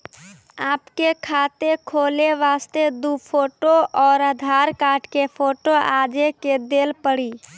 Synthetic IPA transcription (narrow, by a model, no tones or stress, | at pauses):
aːpkekʰaːt̪ekʰoːleʋaːst̪ed̪upʰoːʈoɔːɾəd̪ʱaɾkaːɾʈkepʰoːʈoaːd͡ʒeked̪eːlpəɽi